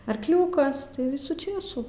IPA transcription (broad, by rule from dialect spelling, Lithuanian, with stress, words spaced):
ɐrkˈlʲuːkɐs tɐɪ ˈʋʲɪsuː ˈt͡ʃʲeːsuː